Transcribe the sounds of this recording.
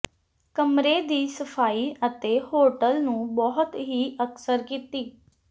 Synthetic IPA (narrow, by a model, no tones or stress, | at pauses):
kəmɾeːd̪iːsəpʰaːiːʔət̪eːhoːʈəlnũːbɔɦʊt̪ɦiːʔəksəɾkiːt̪iː